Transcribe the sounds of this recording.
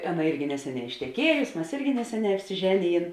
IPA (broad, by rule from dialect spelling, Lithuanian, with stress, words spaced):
ˈɑːˌnɐ ˈɪrʲɡʲɪ ˈnʲæːsʲɛˌnʲɛː ɪʃʲtʲɛˈkʲiɛjʊsʲɪ mʲɛs ˈɪrʲɡʲɪ ˈnʲæːsʲɛˌnʲɛː ɐpʲsʲɪˈʒʲæːnʲɪˌjeːn